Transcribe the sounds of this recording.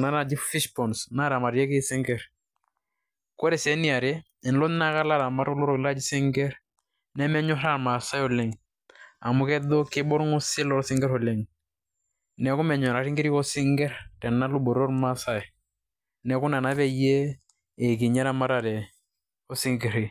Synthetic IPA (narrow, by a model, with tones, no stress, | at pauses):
na˦na˨d͡ʒi˦ffi˦ʃpɔ˨nsna˦ɾa˨ma˨ɾjɛ˦kɪ˦si˦ŋɡɛ˦ɾ | kɔ˦ɾɛ˨sɛ˨˦ni˦a˨ɾe˦ | ɛ˨nlɔ˦n˦na˦ka˦la˦ɾa˨ma˦ɾɔ˦lɔ˦ɾɔ˨la˦d͡ʒi˨si˦ŋɡɛ˦ɾ | nɛ˦mɛ˦ɲɔ˦ɾa˦˨ɾma˨sa˦jɔ˨lɛ˨ŋ | a̰˨mu˨kɛ˦dɔ˦kɪ˦bɔ˦ɾŋɔ˦sɪ˦lɔ˨ɾsi˦ŋɡɛ˦ɾɔ˨lɛ˨ŋ | nɛ˨ku˦mɛ˨ɲɔ˨ɾa˨ɾi˦ŋɡe˦ɾi˦kɔ˦si˦ŋɡɛ˦ɾtɛ˨nːa˦lu˦bɔ˨ɾɔ˦ɾma˦sa˦j | nɛ˨ku˦na˨na˦βɛ˦jeː˦˨ | k̬i˨ɲa˦ɾa˦ma˦ɾa˨ɾɛ˨ | ɔ˦si˦ŋɡe˨ɾi˨